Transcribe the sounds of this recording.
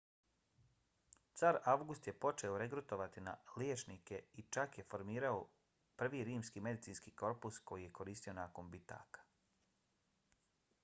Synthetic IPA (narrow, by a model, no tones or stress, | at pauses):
t̪saɾaʋɡust̪je̞po̞t͡ʃe̞oɾe̞kɾut̪o̞ʋat̪ina̰ljeːt͡ʃnike̞it͡ʃakje̞fo̞ɾmiːɾao | pr̩ʋiɾiːmskiːme̞d̪it̪siːnskiːko̞ɾpusko̞jije̞ko̞ɾiːst̪io̞naːko̞nbit̪a̰ːkḁ